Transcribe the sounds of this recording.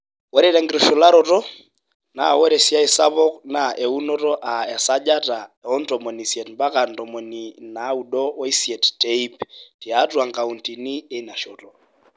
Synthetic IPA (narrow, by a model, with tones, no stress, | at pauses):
wɛ˦ɾɛ˦ɾɛ˨˦ŋɡiɾɔ˨ʃɔ˨la˦ɾɔtɔ˦ | na̰˨wɛ˦ɾɛ˨si˦a˦i˨sa˦βɔ˦kna˨ʔɛ˨u˦nɔ˦tɔ˦ʔa˨ɛ˨sad͡ʒa˦ta˨ɛɔ˦n̩˦tɔmɔ˨ni˨sjɛ˨tmba˦ka˨n̩˨tɔmɔ˨ni˨na˨˦u˨ɗɔ˦wɔ˦i˦siɛ˨tte˦i˦pti˨atwa˨ŋka˨u˨nti˨ni˦e˦na˨ʃɔ˨tɔ